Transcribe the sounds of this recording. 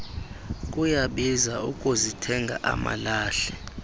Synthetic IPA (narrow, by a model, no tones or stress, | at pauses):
kʼujaɓizaukʼuzitʰɛŋɡʱa̰ʔa̰ma̰laːɬɛ